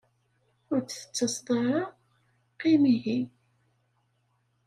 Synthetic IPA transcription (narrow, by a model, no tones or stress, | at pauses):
ʊɾt͡sθə̥t͡sːəsˤd̪ˤɑɾˤɑ | qimiɦi